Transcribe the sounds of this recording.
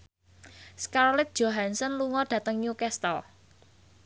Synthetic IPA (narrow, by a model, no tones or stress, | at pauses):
skaɾlɪt̪̚d̥ʒ̥oɦansənluŋɔɖ̥ä̤t̪əŋɲukɛst̪ɔ